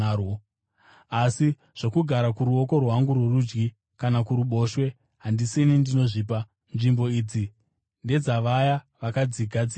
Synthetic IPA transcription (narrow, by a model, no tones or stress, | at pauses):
arwo | asi | ʐ̥okuɡʱaɾakuɾuo̞ko̞rwɦaŋɡurwerud͡ʒɡi | kanakuɾuɓo̞ːʃwe̞ | ɦandisinindino̞ʐiːpa | nʐimbo̞iːd͡zi | nde̞d͡zaʋaja | ʋakad͡ziɡʱad͡zia